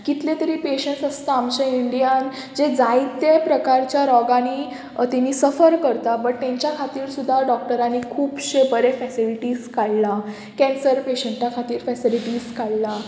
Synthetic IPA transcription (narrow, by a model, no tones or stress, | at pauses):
kit̪lẽt̪əɾiːpeɕẽɳsəst̪aːmt͡ɕaiɳɖijan | d͡ʑed͡zait̪ːjepɾəkaɾt͡ɕjaɾɔɡani | t̪iniːsəfəɾkəɾt̪abəʈ̚t̪ɛ̃ɲt͡ɕjakʰat̪iːɾsud̪ʱːaɖɔk̚ʈəɾanːikʰuːbɕebəɾefɛsiliʈiːskaɭla | kɛ̃nsəɾpeɕəɳʈakʰat̪iːɾfɛsiliʈiːskaɭla